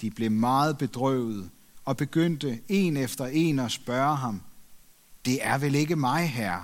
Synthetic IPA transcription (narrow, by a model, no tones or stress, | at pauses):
d̥ib̥le̝mɑ̈ːð̞̩ˠb̥e̝d̥ʁœ̰ʊ̰ð̞̩ˠ | ɒ̽b̥e̝ɡ̥øn̰d̥əe̝nefd̥ɐe̝ːnɒsb̥ɶːɐɦɑ̈m | d̥e̝æɐʋele̝ɡəmɑ̈ɪɦæɐ̰